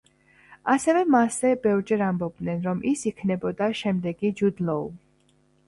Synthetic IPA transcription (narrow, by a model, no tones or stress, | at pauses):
asɛvɛmaszɛbɛvɾd͡ʒɛɾambɔb̚d̪nɛnɾɔmʔisikʰnɛbɔd̪aʃɛmd̪ɛɡid͡ʒud̪lɔṵ